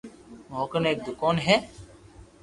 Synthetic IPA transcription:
moːkəneːk̚d̪ʊkaːnɦɛː

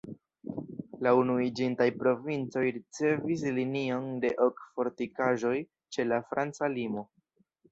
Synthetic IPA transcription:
launuid͡ʒintajpɾo̞vint͡so̞jɾit͡se̞vis̬linio̞nde̞ʔokfo̞ɾtikaʒo̞j | t͡ʃe̞lafɾant͡salimo̞

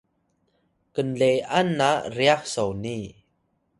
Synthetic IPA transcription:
kənlɛjʔanːaʔriak̚sowni

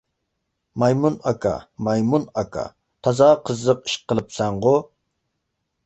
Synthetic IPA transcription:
mɑjmunɑkʰɑ̰mɑjmunɑkʰɑ̰ | t̪ʰɑzɑqʰəzːəqi̥ʃqʰəlˠɨpsɛɴʁʊ

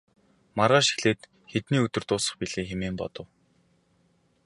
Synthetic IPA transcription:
maɾaːʃi̥xɮeːt̪ | xet̪niːɵt̪ɵ̆rt̪ʊːsə̥̆χpiɮeːxemeːmpɔ̰t̪ɞ̆w

